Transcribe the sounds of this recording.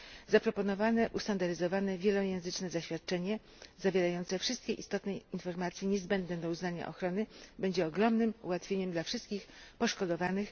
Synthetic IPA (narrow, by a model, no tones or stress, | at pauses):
zapɾɔpɔnɔvanɛʔust̪and̪aɾɘzɔvanɛvʲjɛlɔjɛ̃w̃zɘt͡ʂnɛzaɕfʲjat̪̚t͡ʂɛɲɛ | zavʲjɛɾajɔnt̪sɛfʂɘst̪̚kʲɛʔḭst̪ɔt̪nɛjinfɔɾmat̪sʲjɛɲɛzbɛnd̪nɛd̪ɔuznaɲa̰ʔɔ̰xɾɔnɘbɛɲd͡ʑɛɔɡɾɔmnɘmṵwat̪fʲjeɲɛmd̪lafʂɘst̪̚kʲixpɔʂkɔd̪ɔvanɘx